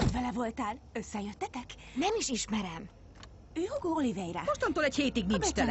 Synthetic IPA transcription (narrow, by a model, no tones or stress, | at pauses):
od̪vɛlɛvo̞lt̪aːlø̞sːɛjøt̪ːɛt̪ɛk | nɛmiʃiʃmɛɾɛm | øːhoɡoːolivɛjɾɛ̰moʃt̪ont̪oːlɛcheːt̪iɡninbt͡ʃt̪ɛl